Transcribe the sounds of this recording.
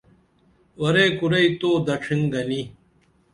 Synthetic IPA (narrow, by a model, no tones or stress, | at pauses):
wɐɾeːkuɾɐit̪oːd̪ɐʈ͡ʂʰiŋɡɐni